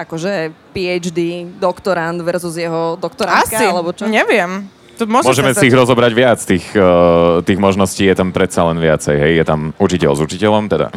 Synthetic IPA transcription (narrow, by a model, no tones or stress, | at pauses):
akɔʒɛpiɛd͡ʒd̪id̪ɔkt̪ɔɾand̪ʋɛɾzuzjɛɦɔd̪ɔkt̪ɔɾaasilɛbɔɲɛʋɪɛm | t̪ɔmʊɔʒmɔʒɛmɛsiːɣɾɔzɔbɾaɟʋɪat͡st̪iːx | t̪iːɣmɔʒnɔsciːjɛt̪ampɾɛt̪salɛnʋɪat͡sɛjɦɛjjɛt̪amut͡ʃicɛ̰lzut͡ʃicɛlɔmt̪ɛd̪a̰